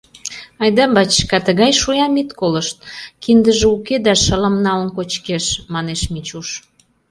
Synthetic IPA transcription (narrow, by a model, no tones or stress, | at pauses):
ɑjd̪ɑbɑt͡ɕkɑt̪əɣɑjʃujɑmit̪koləʃt̪̚kind̪əʒeuked̪ɑʃələ̆mnɑlənkot͡ɕkeʃmɑneʃmit͡ɕuʃ